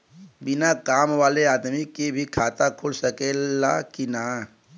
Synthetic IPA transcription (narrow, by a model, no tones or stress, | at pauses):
bɪnakaːmʋaːleaːd̪mikebʱikʰaːt̪akʰʊlsɐkelakɪnaː